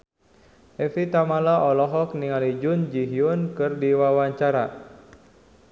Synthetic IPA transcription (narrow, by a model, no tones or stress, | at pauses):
ʔɛfit̪amalaʔɔlɔɦɔk̚niŋalid͡ʒund͡ʒiɦiunkɨrdiwawaɲt͡ʃaɾa